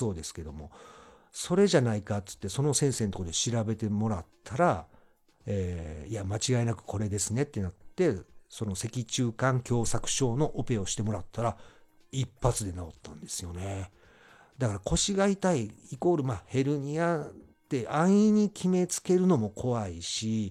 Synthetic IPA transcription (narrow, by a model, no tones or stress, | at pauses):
o̞ːd̪e̞sɨ̥ke̞d̪o̞mo̞ | so̞ɾe̞ʑanaikatɨ̥t̪ːe̞so̞no̞sẽ̞ɰ̃se̞nt̪okod̪e̞ɕiɾabe̞t̪e̞mo̞ɾat̪ʰːaɾa | eːiamat͡ɕiɡaenakɯ̟̥kʰo̞ɾe̞d̪e̞sɨne̞t̪ːe̞nat̪ːe̞so̞no̞se̞kʲit͡ɕɨːkãŋkʲo̞ːsakɯ̟̥ɕo̞ːno̞ʔope̞o̞ɕi̥t̪e̞mo̞ɾat̪ʰːaɾa | ipːat͡sɨd̪e̞naot̪ːãnd̪e̞sɨjo̞ne̞ | d̪akaɾakʰo̞ɕiɡait̪aiiko̞ɾɯ̟maːhe̞ɾɯ̟ɲ̟ia | t̪ːe̞ʔãɰ̃ĩɲ̟ikʲʰime̞t͡sɨ̥ke̞ɾɯ̟no̞mo̞kʰo̞βaiɕi